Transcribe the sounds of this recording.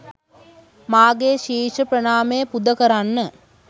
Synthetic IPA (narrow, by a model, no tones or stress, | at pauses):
maːɡeʃiːʂəprənaːməjəpud̪əkəɾanːə